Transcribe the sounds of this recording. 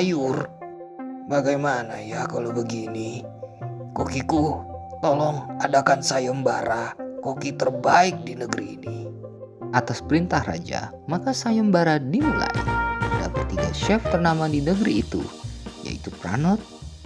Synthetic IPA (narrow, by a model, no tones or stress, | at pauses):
ajʊr | baɡajmanajakalowbəɡini | kokikut̪olɔŋadakansajɔmbaɾakokit̪ərbaɪk̚dinəɡɾḭːni | ʔat̪aspəɾint̪ahra̰d͡ʒa̰ | makasajɔmbaɾadimula̰ḭda̰pat̪iɡa̰ʃɛft̪ərnamadinəɡɾiːt̪ṵja̰ḭt̪upɾa̰nɔt̪̚